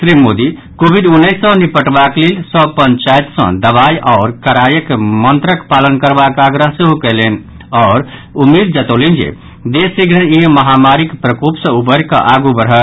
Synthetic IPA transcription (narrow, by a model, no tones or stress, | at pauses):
sɾimod̪i | kobʱiɖunːəɪsːə̃nipəʈbaklelsɔ̃pənt͡ʃajt̪sə̰̃d̪əβajʔɔʊɾkəɾajəkmənt̪ɾəkpalənkəɾbakaɡɾəɦseɦukelen | ɔːɾumid̪̚d͡ʒət̪olend͡ʒḛ | d̪esiɡɾəniɦməɦamaɾikpɾəkupsə̃ubəɾkə̰ʔaɡubəɾɦə